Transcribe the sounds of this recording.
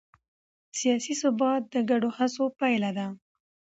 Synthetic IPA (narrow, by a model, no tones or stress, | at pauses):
sijɑsisʊbɑt̪̚d̪əɡaɖohasopajlad̪a